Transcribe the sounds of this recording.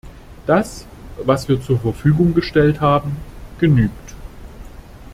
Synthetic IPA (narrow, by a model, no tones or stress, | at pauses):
d̥as | vasv̥iːɐt͡suːɐfɛɐfyːɡʊŋɡəʃtɛlthaːbm̩ɡ̥ənyːkt